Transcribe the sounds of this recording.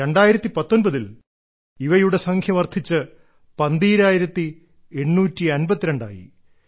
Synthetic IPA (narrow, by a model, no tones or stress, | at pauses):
ɾe̞ɳɖaːjiɾɐt̪ːipɐt̪ːo̞nbɐðil | iʋɐjuɽe̞sɐŋkʰjɐmɐrt̪ʰːit͡ɕːɨ | pɐnd̪iːɾaːjiɾɐt̪ːi | e̞ɳːuːtːiɐnbɐt̪ːiɾeɳɖa̰ːjḭ